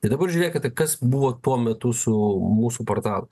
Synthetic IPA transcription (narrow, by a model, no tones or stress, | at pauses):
t̪ɐɪd̪ɐbɐɾʒʲʊːɾʲeːkʲɪt̪ʲɐkɐsbuʋoːt̪uɔmʲɛt̪ʊsʊmuːsupoːrt̪ɑːlˠʊ